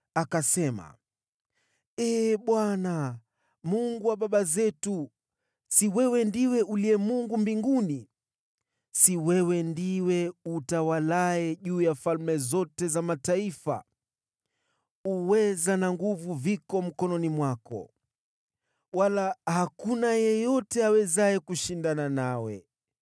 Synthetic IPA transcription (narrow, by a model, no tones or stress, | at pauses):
akasɛma̰ | ɛːɓwana | muŋɡuwaɓaɓazɛtu | siwɛwɛndiwɛʔuliɛmuŋɡumbiŋɡuni | siwɛwɛndiwɛutawalaɛʄuːjafalmɛzɔtɛzamataifa̰ | uwɛzanaŋɡuvuvikɔm̩kɔnɔnimwakɔ̰ | walahakunajɛjɔtɛawɛzaɛkuʃindananawɛ̰